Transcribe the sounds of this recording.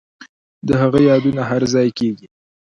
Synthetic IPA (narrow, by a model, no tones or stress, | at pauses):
d̪əɦaɣəjɑd̪unaɦaɾzɑjkeɡi